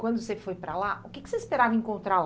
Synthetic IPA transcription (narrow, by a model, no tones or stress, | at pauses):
kwɐ̃nd̪ʊsefojpɾɐlaʊkɪkɪ̥seispeɾavɐẽŋkõnt̪ɾa